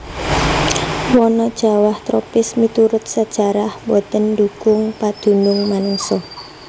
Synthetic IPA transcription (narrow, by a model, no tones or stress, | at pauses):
wɔnɔd̥ʒ̥a̤waht̪ɾɔpɪsmit̪uɾʊt̪̚sad̥ʒ̥a̤ɾahbɔt̪əndukʊŋpad̪̥ṳnʊŋmanuŋsɔ